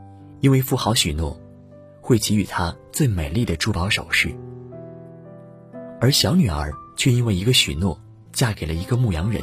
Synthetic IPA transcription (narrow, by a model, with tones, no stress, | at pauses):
i˥nwe˥˧ɪfu˥˩xɑ˧˥ʊɕy˨˩nwɔ˥˩ | xwe˥˩ɪt͡ɕi˧˥y˨˩t̪ʰa˥t͡swe˥˩ɪme˨˩ɪli˥˩d̪ə˩ʈ͡ʂu˥pɑ˧˥ʊʂo˨˩ʊʂɻ̩˥˩ | ə˞˧˥ɕjɑ˧˥ʊny˨˩ə̰˞˧˥t͡ɕʰɥɛ˥˧i˥nwe˥˩ɪi˧˥ɡə˧ɕy̰˨˩nwɔ˥˩ | t͡ɕja˥˩ke˨˩ɪlə˦i˧˥ɡə˧mu˥˩jɑ˧˥ŋɻə̰˧˥n